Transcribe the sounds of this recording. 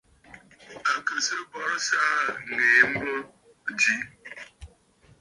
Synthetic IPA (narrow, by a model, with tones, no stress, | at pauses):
a˨kə˨sə˦bɔ˦ɾsaː˦ŋeː˨˦m̩˦bə˦˨ | d͡ʒi˦